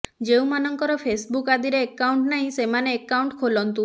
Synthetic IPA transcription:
d͡ʒeũmanɔŋkɔɾɔpʰesbukad̪iɾeːkːawɳʈnaɦĩsemaneːkːawɳʈkʰolɔnt̪u

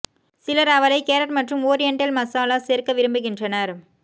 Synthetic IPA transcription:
sɪlɐɾɐʋɐɾɐɪkeːɾɐʈmɐʈrɯmoːɾɛɳʈɐlmɐsaːlaːseːɾkɐʋɪɾɯmbɯɣɪndrɐnɐɾ

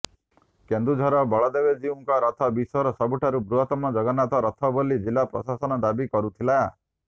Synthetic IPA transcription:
kend̪ɾud͡ʒʱɔɾɔbɔɭɔd̪ebed͡ʒiuŋkɔɾɔt̪ʰɔbisɔɾɔsɔbuʈʰaɾubɾuɦɔt̪ɔmɔd͡ʒɔɡɔnat̪ɔɾɔt̪ʰɔbolid͡ʒilːapɾɔ̰sasɔnɔd̪abikɔɾut̪ʰilaa

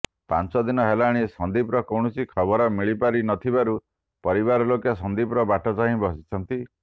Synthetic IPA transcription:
pant͡ʃɔd̪inɔɦelaɽ̃isɔnd̪ipɾɔkɔwɳ̃ɔsikʰɔβɔɾɔmiɭipaɾinɔt̪ʰibaɾu | pɔɾiβaɾɔlokjasɔnd̪ipɾɔbaʈɔt͡ʃaɦĩbɔsit͡ʃʰɔnt̪i

